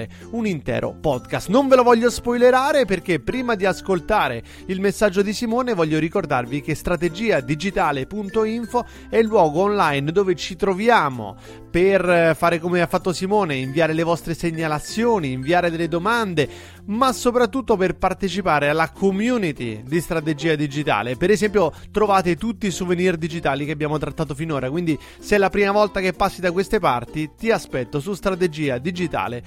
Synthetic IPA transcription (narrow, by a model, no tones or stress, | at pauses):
e | unint̪ɛ̰ːɾo̰pɔd̪kast̪noɱvelovɔʎːospɔjleɾaːɾeperk̟epːɾiːmad̪iaskolt̪aːɾe | ilmesːad͡ʒːod̪isimoːnevɔʎːoɾikord̪a̰rvik̟est̪ɾat̪ed͡ʒiːad̪id͡ʒit̪aːlepunt̪oiɱfo | ɛlːwɔːɡoːnlajnd̪oːvet͡ʃit̪ɾovjaːmo̰ | perfaːɾekomeafːat̪ːosimoːneiɱviaːɾelevɔst̪ɾeseɲːalat̪sːjoːniːɱviaːɾed̪elːed̪omand̪e | masopɾat̪ːut̪ːoperpart̪et͡ʃipaːɾealakʰomjuːnit̪id̪ist̪ɾat̪̬ed͡ʒiːad̪id͡ʒit̪a̰ːlepeɾezɛmpjot̪ɾovaːt̪et̪ut̪ːiːsovenird̪id͡ʒit̪aːlikeabjaːmot̪ɾat̪ːaːt̪ofinoːɾakwind̪i | sɛlːapɾiːmavɔlt̪akepːasːid̪akwest̪epart̪it̪iaspɛt̪ːosust̪ɾat̪ed͡ʒiːad̪id͡ʒit̪a̰ːle